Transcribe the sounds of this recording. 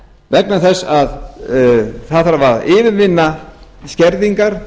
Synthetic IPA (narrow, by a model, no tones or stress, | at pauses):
vɛknaθɛsːað | θaðθaɾavaɾðɪːvɪnvɪnːascɛɾðiŋkaɾ̥